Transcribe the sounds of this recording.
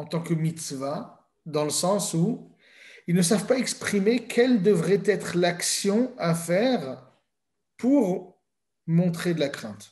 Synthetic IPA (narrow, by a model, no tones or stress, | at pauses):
ɑ̃t̪ɑ̃kəmit̪sva | d̪ɑ̃ləsɑ̃su | ilnəsavpaɛkspχimekʲʰɛld̪əvʁɛt̪ɛt̪χlaksjɔ̃afɛːʁ | puʁ | mɔ̃t̪χed̪əlakχɛ̃t̪